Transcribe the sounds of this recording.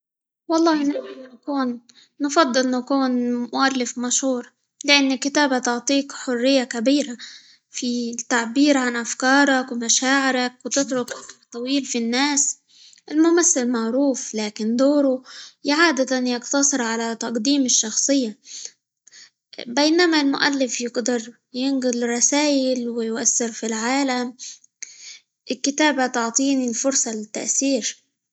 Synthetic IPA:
wɑlˤːɑːhnɪʕmalnakuːnː | fɑd̪ˤːɨlnakuːnmʊʔalːɪfmaʃhuːɾˤ | lɪʔanːɪkɪt̪aːbat̪ʊʕt̪ˤiːkħʊrːɪjːakabiːɾa | fit̪aʕbiːɾʕanʔafkɑːɾˤɑkwɪmaʃaːʕɪɾakwt̪ɪt̪ɾʊkʔat̪ˤːɑwiːlfinːaːs | ʔɪlmʊmaθːɪlmaʕɾuːflaːkɪnd̪oːɾʊjaʕaːd̪at̪anjɪqt̪ɑsˤɨɾʕalat̪ɑqd̪iːmɪʃːɑxsˤɨjːa | beːnamalmʊʔalːɪfjɪɡd̪ɑɾˤ | jɪnɡɪlrˤːɑsaːjɪlwɪjʊʔasːɪɾfilʕaːlam | ɪlkɪt̪aːbat̪ʊʕt̪ˤiːnilfʊɾsˤɑlɪt̪ːa̰ʔθiːɾ

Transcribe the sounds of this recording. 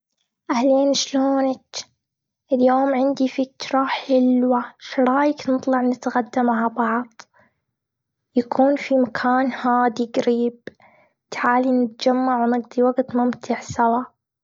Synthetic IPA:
ʔahleːnʃloːnɪt | ʔɪljoːmʕɪnd̪ifɪt̪ɾˤɑħɪlwaʃɑɾˤɑːjɪknɨt̪ˤlɑʕnɪt̪ɣad̪ːamaʕabɑʕðˤ | jakʰuːnfimakʰaːnhaːd̪iɡaɾiːb | t̪ħaːlinɪt̪̚d͡ʒamːaʕwnɪɡd̪ˤiwaɡt̪mʊmt̪ʰɪʕsawa

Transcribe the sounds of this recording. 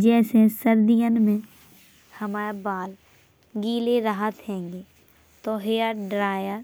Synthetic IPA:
d͡ʒɛːsesəɾd̪ijənmẽ | həmaːɾabaːl | ɡiːleɾəɦət̪ɦɛ̃ːŋɡeː | t̪oɦejaɖɾaːjəɾ

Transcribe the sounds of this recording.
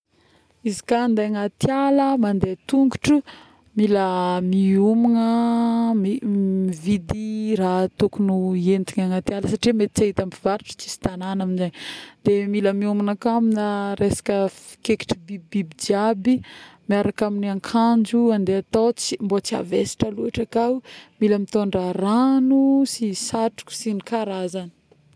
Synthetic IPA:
izi̥kaːnd̪eaŋat̪jaləmand̪et̪uŋɡuʈ͡ʂu | miləmiumunəmimivid̪iɾat̪ukunuent̪iɲaŋat̪jaləsaʈ͡ʂimet̪i̥t͡saɦit̪ambivaɾiʈ͡ʂə̥t͡si̥si̥t̪ananaminzaɲd̪̥emiləmiumunakaminaɾesḁkəi̥keki̥ʈ͡ʂibibibid͡ʒiabimiaɾakaminaŋkʰand͡ʒuand̪eat̪ot͡simbot͡sia̰vesi̥ʈ͡ʂaluaʈ͡ʂakawmiləmit̪oɳɖ͡ʐaranusisaʈ͡ʂu̥kʲu̥sinikaɾazani̥

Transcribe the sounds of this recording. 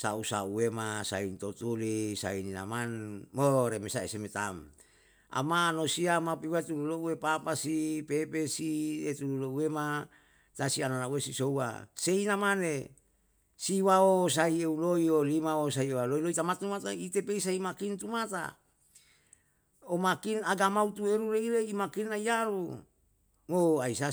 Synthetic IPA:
sa̰usa̰uwemasa̰int̪ot̪ulisa̰inina̰manmoɾemesaḛsemet̪a̰m | a̰maːnosiamapiwat̪ululouwepapasipepesiet̪ululouwema | t̪asiananauesisouwa̰seinamane | siwaos̬aieuloiolimaosaiewaloiloit̪amat̪umat̪ait̪epeisaimakint̪umat̪a̰ | omakinaɡamaut̪ueɾuɾeiɾeimakinːaiaɾu | moaisa

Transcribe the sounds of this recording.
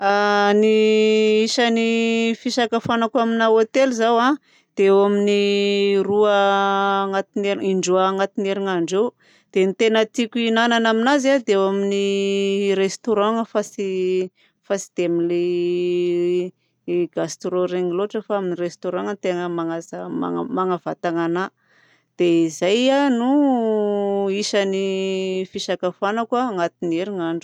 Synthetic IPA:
aniisanifiʃakafanakaminaot̪elizawã | d̪̥ewaminiruəː | ŋat̪ineɾiiɳɖ͡ʐuaːŋat̪ineɾiŋaɳɖ͡ʐew | d̪̥enit̪enət̪ikʲuinananaminazad̪eewamini | ɾest̪oɾãŋəfasi | fasi̥d̪̥eamile | ɡ̥ast̪ɾoɾeŋiloʈ͡ʂəfaaminirest̪oɾãŋnt̪eŋəmaŋazama̰maŋavat̪aŋana | d̪̥eizajanu | iʃanifiʃakafanəkwaːŋat̪ineɾiŋaɳɖ͡ʐu

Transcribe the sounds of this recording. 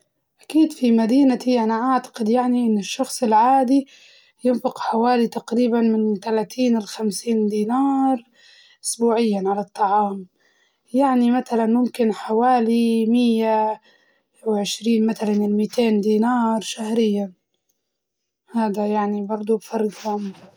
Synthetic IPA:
ʔakiːd̪fimad̪iːnat̪iʔanaʔaʕt̪ḁqɪd̪jaʕniʔɪnːɪʃːɑxsˤɪlʕaːd̪i | jɪnfɪqħawaːlit̪aqɾiːbanmɪnt̪alaːt̪ʰiːnɪlxamsiːnd̪iːnɑːɾˤ | ʔʊ̥sbuːʕɪjːanʕalat̪ˤːɑʕɑːm | jaʕnimat̪alanmʊmkɪnħawaːlimɪjːa | wʕɪʃɾiːnmat̪alanɪlmiːt̪ʰeːnd̪iːnɑːɾˤʃahɾɪjːan | haːd̪ajaʕnibɑɾˤd̪ˤubfɑɾˤːɡhʊm

